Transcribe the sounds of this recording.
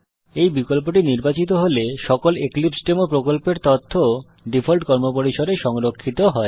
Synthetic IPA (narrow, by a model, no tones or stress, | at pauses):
ejbikolp̬oʈiniɾbat͡ɕit̪oɦoleʃɔkoleklipsʈemopɾokolpeɾt̪ot̪ʰːo | ɖifʰolʈkɔɾmopoɾiʃoɖeʃɔŋɾokʰːit̪oɦɔe